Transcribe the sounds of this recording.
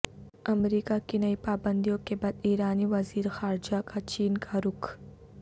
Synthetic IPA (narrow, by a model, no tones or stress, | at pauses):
ɐmɾiːkakinɐipaːbə̃nd̪ijõkebaːd̪iːɾaːniʋɐziːɾxaːɾd͡ʒakat͡ʃiːnkʰaɾʊkʰ